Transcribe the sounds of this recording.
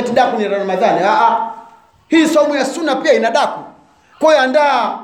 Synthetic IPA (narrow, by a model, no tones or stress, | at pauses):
ɛtiɗakuniɾanumazanɛaʔa | hiːsɔmujasunapiainaɗaku | kɔandaː